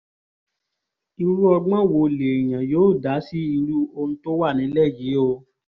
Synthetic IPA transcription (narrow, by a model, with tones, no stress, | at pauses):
i˧ɾu˦ɔ˧ɡ͡bɔ̃˦wo˧le˨j̃ã˨joː˨˦˨da˨˦si˦i˧lu˦o˧nũ˦to˦wa˦˨nĩ˨˦lɛ˦˨je˨˦o˧